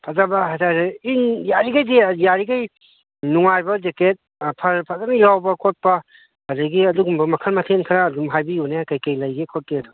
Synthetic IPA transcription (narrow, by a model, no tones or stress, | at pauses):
pʰazabɐɦatʰaɾeinjaɾiɡajdijaɾiɡaj | nuŋajbɐd͡ʒeket̚ | pʰɐɾpʰazanalawbɐkʰɔt̚pɐ | adɐɡiɐduɡumbɐmɐkʰɐnmatʰenkʰɐɾaːdumɦajbijunekajkajlajɡekʰɔt̚keɐdu